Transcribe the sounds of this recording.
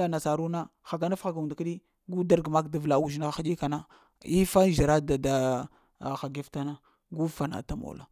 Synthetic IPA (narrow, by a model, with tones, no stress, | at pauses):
a˦˨na˨sa˨ɾu˦na˦xa˨ɡa˦na˦fxa˨ɡa˨u˨nda˨ka˦ɗi˦ | ɡu˦da˦ɾɡma˦kda˨vla˨u˦˨ʒna˦a˨xa˦ɗi˦ka˨na˦ | i˦fa˦ʒi˨ɾa˦da˨da˨ | xa˨ɡe˦fta˦na˦ | ɡu˦fa˨na̰˨ta˦mo̰˨la̰˨